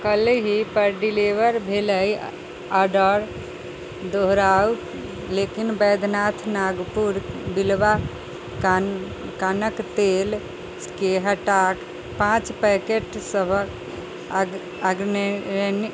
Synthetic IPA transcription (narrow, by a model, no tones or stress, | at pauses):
kəleɦipəɾɖiliʋəɾbʱeləj | aɖəɾ | d̪oɦɾau | lekinbəjd̪ʱnat̪ʰnaɡpuɾbilba | kanəkt̪el | keɦəʈak | pãt͡ʃpɛkeʈsəbʱək | aɡnn